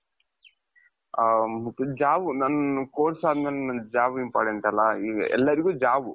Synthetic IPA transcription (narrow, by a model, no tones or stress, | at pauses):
mɐt̪ːud͡ʒaːʋunɐnɐkoːɾsaːd̪ʱmɐlnɐd͡ʒaːʋimpa̰ːɾʈeɳʈɐlːɐiːɛ̰lːɐɾiɡuːd͡ʒaːʋu